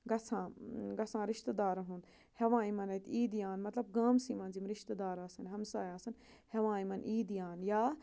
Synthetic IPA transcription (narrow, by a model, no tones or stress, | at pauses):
ɡɐsʰãːɡɐsãːɾɪʃt̪d̪aːɾɐɦun | hɐʋãːĩmɐnɐt̪ʰiːd̪ijaːnmɐt̪lɐb̚ɡaːmsiːmãːnzimɾɪʃt̪d̪aːɾaːsɐnɦɐmsaːjaːsɐn | hɐʋãːĩmɐnʔiːd̪ijaːnjaː